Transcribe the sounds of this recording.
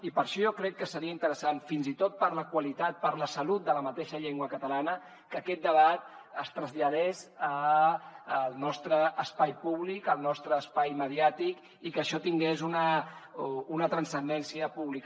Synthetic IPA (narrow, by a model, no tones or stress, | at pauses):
ipəɾʃɔjɔkɾɛkːəsəɾiəint̪əɾəsanfinzit̪ot̪̚pəɾləkwəlit̪at̪̚pəɾləsəlut̪̚d̪ələmət̪eʃəʎeŋɡwəkət̪əlanə | kəkɛt̪̚d̪əβat̪̚ | əst̪ɾəzʎəðɛzəː | lˠnɔst̪ɾəːspajpuβlikəlˠnɔst̪ɾəːspajməðiat̪ik | ikəʃɔt̪iŋɡezunə | unət̪ɾənsənd̪ɛnsiəpuβlik